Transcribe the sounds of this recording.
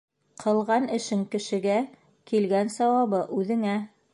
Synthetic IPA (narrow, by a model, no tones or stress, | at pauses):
qʰɤ̆lˠʁɑnɘ̆ʃɘŋkɘ̆ʃɘ̆ɡæ | kilɡænsɑwɑβɤʔʉðɘ̆ŋæ